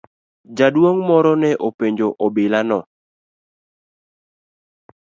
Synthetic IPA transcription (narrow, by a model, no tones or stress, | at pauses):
d͡ʒadwoŋmɔɾɔnɛʔopeɲd͡ʒoʔɔbɪlanɔ